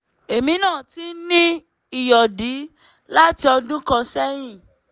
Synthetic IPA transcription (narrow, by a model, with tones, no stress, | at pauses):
e˨mĩ˧nãː˦˨ti˨˦nĩ˦ | i˦˨jɔ˨di˨˦ | la˦ti˧ɔ˧dũ˦kã˧sɛ˦j̃ĩ˦˨